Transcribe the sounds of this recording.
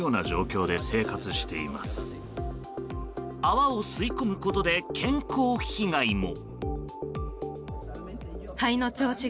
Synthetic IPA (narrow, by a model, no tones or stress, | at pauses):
o̞ːnaʑo̞ːkʲo̞ːd̪e̞se̞ːkat͡sɨɕi̥t̪e̞ḭma̰sɨ̥ | aβaosɨikomɯ̟ko̞t̪o̞d̪e̞kʰẽ̞ŋko̞ːçiɡaimo̞ | haino̞t͡ɕo̞ːɕi